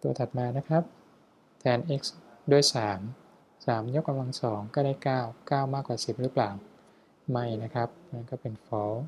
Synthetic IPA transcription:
t̪u˧ɐt̪ʰa˨˩t̪̚maː˧na˦˥kʰɾa˦˥p̚ | t̪ʰɛː˧nʔe˦˥k̚sdu˧˩əjsaː˩˦m | saː˩˦mjo˦˥kːa˧mla˧ŋsɔː˩˦ŋkɔː˥˩daː˥˩jkaː˥˩wkaː˥˩wmaː˥˩kːwaː˨˩si˨˩p̚ɾɯː˦˥plaː˨˩w | ma˥˩jna˦˥kʰɾa˦˥p̚ma˧˥˩nkɔː˥˩pe˨˧˩nfɔː˦˥w

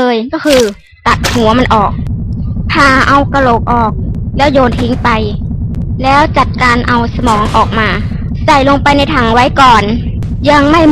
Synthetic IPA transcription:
ɤː˧jkɔ˧˥˩kʰɯː˧ | t̪a˨˩t̪̚hu˨˩˦ɐma˧nʔɔː˨˩k̚p̪ʰaː˧˩ʔa˧wka˧lo˨˩k̚ʔɔː˨˩k̚lɛː˦˥˩wjoː˧˩nt̪ʰi˧˥ŋpa˧j | lɛː˦˥˩wt͡ɕa˨˩t̪̚kaː˧nʔa˧wsa˧mɔː˩˦ŋʔɔː˨˩k̚maː˧ | sa˧˩jlo˧ŋpa˧jna˧jt̪ʰa˨˩ŋwa˦˥˨jkɔː˨˩n | ja˧ŋma˥˩j

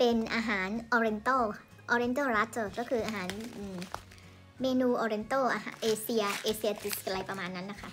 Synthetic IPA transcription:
pe˧nʔaː˧ɦaː˩˦nʔɔː˧ɾe˧nt̪oː˥˩ | ʔɔː˧ɾe˧nt̪oː˥˩ɾa˦˥t̪̚ːɤ˧˩kɔː˥˩kʰɯː˧ʔaː˧ɦaː˩˦nʔɯː˧˩ | meː˧nuː˧ʔɔː˧ɾe˧nt̪oː˥˩ʔa˧ɦaː˩˦ʔeː˧si˧ɐʔeː˧si˧ɐ˧t̪i˨˩skla˧jpɾa˧maː˧nːa˦˥nːa˦˥˩kʰa˦˥˩ʔ

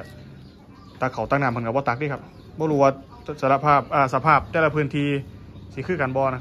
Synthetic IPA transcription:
t̪aː˧˩kʰa˨˩˦wt̪aː˧˩ŋ̚naː˧˨pʰɤ˨˦ka˧˩bɔː˧˦t̪a˨˧˦k̚diː˧˨kʰa˧˥p̚ | bɔː˧luː˧waː˧ | sa˧la˧˥pʰaː˥˩p̚ʔaː˧˩sa˧pʰaː˥˩p̚t̪ɛː˧˩la˧pʰɯː˧˨nt̪ʰiː˧si˧˦kʰɯː˧˩˨ka˨nbɔː˧n˧

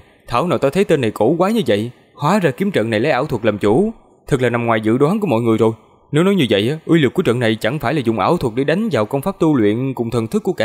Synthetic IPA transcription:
t̪ʰaː˧˩wnaː˨˩wt̪aː˧t̪ʰə˨˦jt̪e˧nːa˨˩jko˧˩kwaː˨˦ɲɨ˧və̰˧˨j | hwaː˨˦zaː˧ki˨˦əmt͡ɕə̰˧˨nːa˨˩jlə˨˦jʔaː˧˩wt̪ʰwə˨˩k̚laː˨˩mt͡ɕu˧˩˦ | t̪ʰɨ˨˩k̚laː˨˩na˨˩mŋwaː˨˩jzɨ̰˧˨ɗwaː˨˦ŋku˧əmɔ̰˧˨jŋɨ˨˩əjzo˨˩j | ne˨˦wnɔ˨˦jɲɨ˧və̰˧˨jʔaː˨˦ʔwi˧lɨ˨˩kːu˧˩ət͡ɕə̰˧˨nːa˨˩jt͡ɕa˧˩ŋfaː˧˩jlaː˨˩zʊ˨˩ŋ͡mʔaː˧˩wt̪ʰwə˨˩k̚ɗe˧˩ɗa˨˦jŋ̟zaː˨˩wkə˧wŋ͡mfaː˦˥p̚t̪u˧lwḭ˧˨ənkʊ̰˨˧˩ŋ͡mt̪ʰə˨˩nt̪ʰɨ˦˥kːu˧˩əka̰ː˧˨

